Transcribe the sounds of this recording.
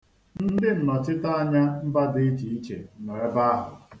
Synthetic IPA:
n̩˦dɪ˦n̩˨nɔ˨t͡ʃɪ˦ta˦a˦ɲa˦m̩˦ba˦dɪ˦i˦t͡ʃi˨i˦t͡ʃḛ˨nɔ˨ɾe˦ba˦a˦ɦʊ̰˨

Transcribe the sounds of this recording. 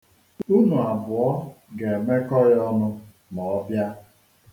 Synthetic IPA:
u˦nu˨a˨bʊ˨ɔ˦ | ɡe˨me˦kɔ˦ɾjɔ˦nʊ˦ | nɔ˨˦bja˦

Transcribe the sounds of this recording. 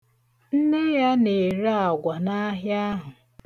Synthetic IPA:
n̩˦ne˦ja˦ne˨ɾa˨ɡʷa˨na˦ɦja˦ɦʊ˨

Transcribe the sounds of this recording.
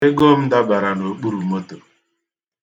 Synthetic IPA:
ɪ˦ɡo˦m̩˦da˦ba˨ɾa˨no˨k͡pu˦ɾu˨mo˦to˨

